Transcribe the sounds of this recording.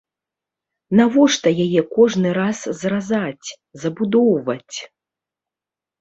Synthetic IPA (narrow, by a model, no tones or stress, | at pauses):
navɔʂt̪ɐjajɛkɔʐnɨɾaszrazat͡sʲ | zɐbud̪ɔwvɐt͡sʲ